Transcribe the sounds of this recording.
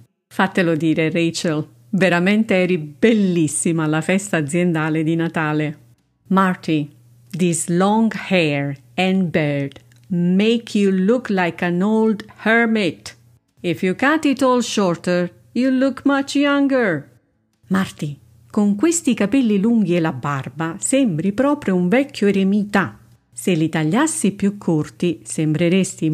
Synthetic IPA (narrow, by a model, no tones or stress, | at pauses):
fat̪ːelod̪iːɾeret͡ʃal | veɾamɛnt̪eɛɾibelːisːimaːlafɛst̪aːd̪zjend̪aːled̪inat̪aːle | mart̪i | d̪izlɔ̃ŋɡhɛɹ | ɛ̃nbɛɹd̪ | mejkʰjuluklajkãnowld̪hɛɹmɪt̪ | ifjukat̪ɪt̪ɔlʃɔɹt̪əɹ | julukmat͡ʃjãŋɡəɹ | mart̪i | koŋkwest̪ikapɛlːiluŋɡiɛlabarbasɛmbɾipɾɔːpɾjʊuɱvɛkʰːjʊeɾemit̪a | selːit̪aʎːasːipjukʰːurt̪isembɾeɾest̪i